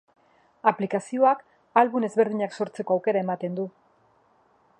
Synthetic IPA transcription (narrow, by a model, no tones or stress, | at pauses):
aplikasio̞ak | alβune̞zβe̞ɾð̞iɲakso̞ɾt͡se̞ko̞awke̞ɾae̞mat̪e̞nd̪u